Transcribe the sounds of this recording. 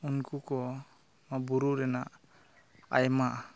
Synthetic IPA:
unkukɔ | mabuɾuɾɛnaʔ | a̰jmaʔ

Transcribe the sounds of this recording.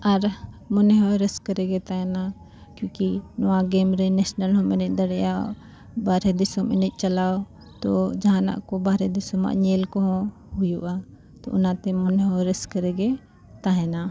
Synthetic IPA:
ɐɾ | mʊneɦoɾɪskəɾeɡet̪aɦena | kjõːkinɔwãɡeːmɾenesnəlɦõmened̪ɐɽjao | baːɾed̪ɪsomɪnit͡ʃɐlaːo | t̪od͡ʒana̰ʔkobaːɾed̪ɪsomã̰ʔɲeːlkoɦõ | ɦʊjuʔa | t̪o̰ʊnãt̪emʊneoɾɪskɐɾeɡe | t̪aɦena

